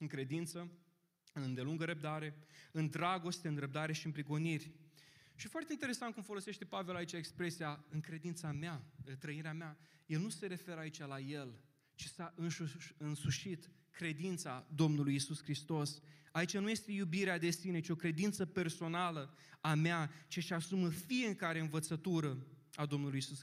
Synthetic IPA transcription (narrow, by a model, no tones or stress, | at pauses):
ɨŋkɾe̞d̪int̪sə | ɨnd̪e̞luŋɡəɾəp̚d̪aɾe̞ɨnd̪ɾaɡo̞st̪eɨnɾəp̚d̪aɾe̞ʃiɨnmpɾiɡo̞nirʲʃifoart̪e̞int̪eɾe̞sant̪̚kumfo̞lo̞se̞ʃt̪e̞pave̞lait͡ʃaekspɾe̞sijaɨŋkɾe̞d̪int̪sameaɨt̪ɾəiɾeameaje̞lnuse̞ɾe̞fe̞ɾait͡ʃalaje̞l | t͡ʃi̥saʔɨnsuɨnsuʃit̪ | kɾe̞d̪int̪sad̪o̞mnulujisuskɾist̪o̞sait͡ʃanuje̞st̪e̞jubiɾead̪e̞sine̞t͡ʃio̞kɾe̞d̪int̪səpe̞rso̞nalə | ameat͡ʃiʃasuməfije̞kaɾe̞ɨnvət̪sət̪uɾə | ad̪o̞mnulujisus